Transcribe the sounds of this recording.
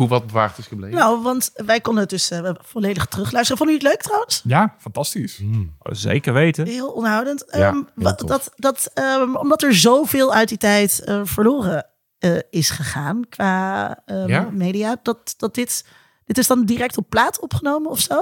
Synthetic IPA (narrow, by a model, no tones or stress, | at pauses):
ɦuʋɑt̚bəʋa̰ːχtɪsblenowʋɑntʋɛjkɔndənət̚dɵsfɔlejdəχtrʏχlœɥstəfɔndyːtløɥk̚trawənsjafɑntɑstiszḛjkəɹʋejtəɦɪːlˠɔndəɦwdəntədɑtdɑtəɔ̰mdɑtɛɹzowvɪːlˠœɥtditɛjtəv̥əɹloːrə | əɪsχəχaːnkʋaːəmejdijaːdɑt̚d̥ɑt̚dɪt | d̥ɪtɪzdɑndirɛk̚tɔpːlaːtɔpχənowməɔfsow